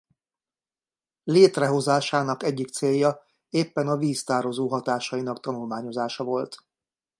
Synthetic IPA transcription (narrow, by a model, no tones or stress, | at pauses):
leːt̪rɛɦo̞zaːʃaːnɒkɛɟːikt̪seːjːɒ | eːpːɛnɒviːst̪aːɾo̞zoːɦɒt̪aːʃɒinɒkt̪ɒnulmaːɲo̞zaːʃɒvo̞lt̪